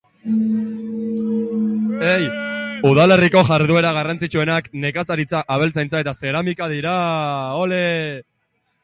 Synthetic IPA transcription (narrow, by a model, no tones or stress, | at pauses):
ejuð̞ale̞riko̞ʝaɾðue̞ɾaɣ̞arant͡sit͡ʃue̞nakne̞kasaɾit͡saʔaβ̞e̞lt͡sajnt͡sae̞t̪ase̞ɾamikaðiɾaole